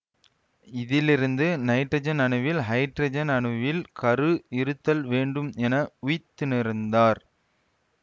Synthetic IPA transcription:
ɪðɪlɪɾɯnd̪ɯnɐɪʈrɐd͡ʒɐnɐɳɯʋɪlɦɐɪʈɾɐd͡ʒɐnɐɳɯʋɪlkɐɾɯɪɾɯt̪ːɐlʋeːɳɖɯmɛnɐʊjɪt̪ːɯnɪɾɯnd̪aːɾ

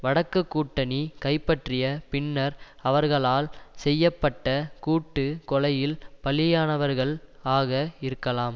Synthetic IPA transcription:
ʋɐɽɐkːɯkːuːʈːɐnikɐɪpːɐʈrɪjɐpɪnːɐɾɐʋɐɾɣɐɭaːlsɛjːɐpːɐʈːɐkuːʈːɯkɔlɐjɪlpɐɭɪjaːnɐʋɐɾɣɐɭaːɣɐɪɾɯkːɐlaːm

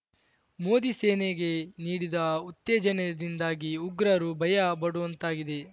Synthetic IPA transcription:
moːd̪iseːneɡe̞niːɽid̪ɐut̪ːeːd͡ʒɐned̪ind̪aːɡiuɡɾɐɾubʱɐjɐbɐɽuʋɐnt̪aːɡid̪e̞

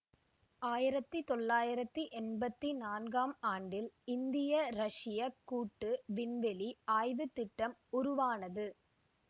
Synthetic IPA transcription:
aːjɪɾɐt̪ːɯt̪ɔlːaːjɪɾɐt̪ːiʔɛnbɐt̪ːinaːnɡaːmaːɳɖɪlɪnd̪ɪjɐɾɐʂɪjɐkːuːʈːɯʋɪnʋɛliaːjʋɯt̪ːɪʈːɐmʊɾʊʋaːnɐðɯ

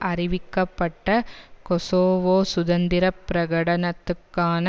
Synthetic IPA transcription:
ʔɐɾiʋikːɐpːɐʈːɐkɔsoːʋoːsʊd̪ɐnd̪iɾɐpːɾɐɡɐɽɐnɐt̪ːɯkːaːnɐ

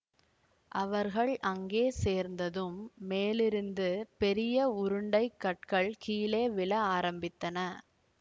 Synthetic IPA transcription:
ʔɐʋɐɾɣɐɭʔɐŋɡeːseːɾnd̪ɐðɯmːeːlɪɾɯnd̪ɯpɛɾɪjɐʊɾɯɳɖɐɪkːɐʈ̚kɐɭkiːleːʋɪlɐaːɾɐmbɪt̪ːɐnɐ

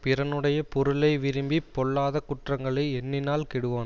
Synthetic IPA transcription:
pɪɾɐnɯɽɐjɐpɔɾɯɭɐɪʋɪɾɯmbipːɔɭːaːðɐkʊʈrɐŋɡɐɭɐɪɛnːɪnaːlkɛɽɯʋoːn

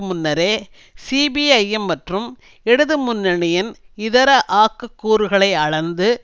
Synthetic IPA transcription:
mʊnːɐɾeː | siːbiɐjɛmːɐʈrɯm | ɛɽɯðɯmʊnːɐɳɪjɐnɪðɐɾɐʔaːkːɯkːuːɾɯɣɐɭɐɪɐɻɐnd̪ɯ

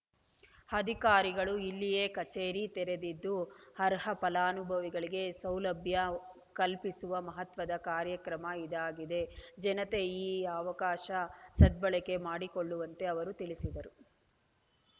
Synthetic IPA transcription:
ɐd̪ʱikaːɾiɡɐɭuilːijekɐt͡ʃeːɾit̪ɛɾe̞d̪id̪ːuhɐɾɦɐpɐlaːnubʱɐʋiɡɐɭiɡe̞sɐwlɐbʱjɐ | kɐlpisuʋɐmɐɦɐt̪ʋɐd̪ɐkaːɾjɐkɾɐmɐid̪aːɡid̪e̞d͡ʒɛnɐt̪e̞iːɐʋɐkaːʃɐsɐd̪̚bɐɭɛke̞maːɽikoɭːuʋɐnt̪e̞ɐʋɐɾut̪iɭisid̪ɐɾu

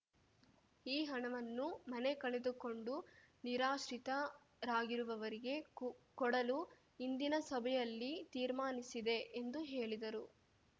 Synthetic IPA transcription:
iːɦɐɳɐʋɐnːumɐne̞kɐɭed̪uko̞ɳɖu | niɾaːʃɾit̪ɐ | ɾaːɡiɾuʋɐʋɐɾiɡe̞kɔɽɐlu | ind̪inɐsɐbʱɛjɐlːit̪iːɾmaːnisid̪e̞ʔend̪uɦe̞ːɭid̪ɐɾu

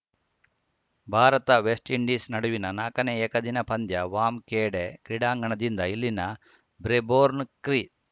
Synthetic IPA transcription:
bʱaːɾɐt̪ɐʋesʈiɳɖisnɐɽuʋinɐnaːkɐneɛːkɐd̪inɐpʰɐnd̪jɐʋaːmkeːɽekɾiɽaːŋɡɐɳɐd̪ind̪ɐilːinɐ | bɾeboːɾnkɾi

